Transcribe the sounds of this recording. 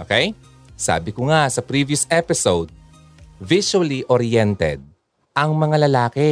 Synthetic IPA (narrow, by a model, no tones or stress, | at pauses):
ʔoːkɛj | sa̰ːbɪkʊŋasɐpɾiviʊsɛpɪsowd̪̚ | viʃuɐliʔoɾiɛnt̪ɛ̰d̪̚ | ʔɐŋmɐŋalɐlaːkɛ